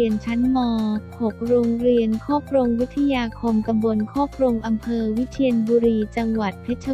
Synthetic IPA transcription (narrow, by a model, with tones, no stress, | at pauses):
i˧ənt͡ɕʰa˦˥nmɔː˧pʰo˨˩p̚ɾoː˧ŋɾi˧ənkʰɔː˥˩p̚ʰɾo˧ŋwi˦˥t̪ʰːa˧jaː˧kʰo˧mka˧mbo˧nkʰɔː˥˩p̚ʰɾo˧ŋʔa˧mpʰɤː˧wi˦˥t̪ʰi˧ənbuː˧ɾiː˧t͡ɕa˧ŋwa˨˩t̪̚pʰe˦˥t̪̚t͡ɕʰa˧